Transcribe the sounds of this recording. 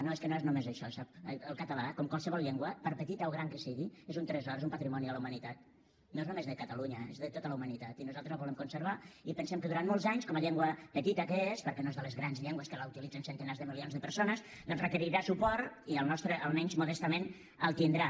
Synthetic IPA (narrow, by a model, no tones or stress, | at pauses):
noeskənoeznumezəʃɔsap̚əlˠkət̪əlakɔmkwalˠsəβɔlˠʎɛŋɡwəpəɾpət̪it̪əoɣɾaŋkəsiɣiezunt̪ɾɛzɔɾezumpət̪ɾimɔniələuwmənit̪at̪̚ | noeznumezðəkət̪əluɲəezðət̪ot̪ələumənit̪at̪inuzalˠt̪ɾəzlaβulɛmkunsəɾβaipənsɛmkəðuɾant̪molˠzaɲskɔməʎɛŋɡwəpət̪it̪əkəespəɾkɛnoezðələzɣɾanzʎɛŋɡwəskəlaut̪ilid͡zənsənt̪ənazðəmilionzðəpəɾsonəs | d̪ɔ̃nzrəkəɾiɾasupɔɾt̪iəlˠnɔst̪ɾəʔəlˠmɛnzmuðɛst̪əmen | əlˠt̪ind̪ɾa